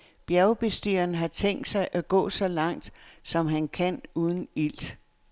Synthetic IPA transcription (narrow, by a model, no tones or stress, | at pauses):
b̥jæɐʊb̥e̝sd̥yːɐnɦɑ̈t͡sʰeŋ̰d̥sɑ̈ɪʔæɡ̥ɔ̰̽ːsɒ̽lɑ̈ŋ̰d̥sɒ̽mɦænkʰænuːð̞ˠn̩il̰d̥